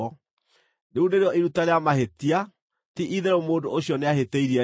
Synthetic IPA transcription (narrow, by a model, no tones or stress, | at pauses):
ɔ | neundeɾeɔʔiɾutaɾeamahetia | tiʔiðeɾomoːndooɕjɔneaɦeteiɾiɛ